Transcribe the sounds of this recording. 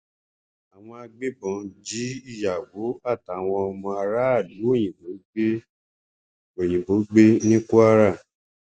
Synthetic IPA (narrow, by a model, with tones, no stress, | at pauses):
a˨w̃ɔ̃˧a˧ɡ͡be˦bɔ̃˨˦d͡ʒi˨˦i˦˨ja˨wo˨˦a˦˨ta˨˦˨w̃ɔ̃˧ɔ˧mɔ̃˧a˧ɾa˦a˦˨lu˨˦o˦˨j̃ĩ˨bo˨˦ɡ͡be˦ | o˨j̃ĩ˨bo˨˦ɡ͡be˦nĩ˦ku˦a˧ɾa˦˨